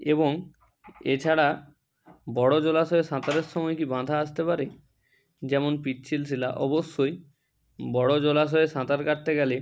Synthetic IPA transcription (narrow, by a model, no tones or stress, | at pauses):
eboŋ | et͡ɕʰaɽa | bɔɽod͡ʑolaʃɔeʃãt̪aɾeɾʃɔmɔjkibãd̪ʱaaʃt̪epaɾe | d͡ʑɛmonpit̪ːt͡ɕʰils̬ila̰ʔɔboʃːoj | bɔɽod͡ʑolaʃ̬ɔeʃãt̪aɾkaʈ̚t̪eɡɛle